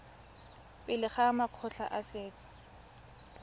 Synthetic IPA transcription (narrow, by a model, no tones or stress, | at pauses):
pʼɪlɪχamaq͡χʰɔɬa̰ʔasɪːt͡sʼɔ̥